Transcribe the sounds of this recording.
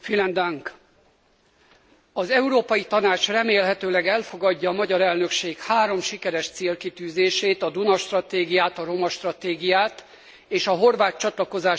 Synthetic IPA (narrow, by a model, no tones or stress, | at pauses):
filɛnd̪ɒŋk | ɒzɛuɾoːpɒjit̪ɒnaːt͡ʃrɛmeːlɦɛt̪øːlɛɡɛlfo̞ɡɒɟːɒːmɒɟɒɾɛlnø̞kʃeːkhaːɾo̞mʃikɛɾɛʃt̪seːlkit̪yːzeːʃeːt̪ɒd̪unɒʃt̪rɒt̪eːɡijaːt̪ɒɾo̞mɒʃt̪rɒt̪eːɡijaːt̪ | eːʃɒɦo̞rvaːt̪t͡ʃɒt̪lɒko̞zaː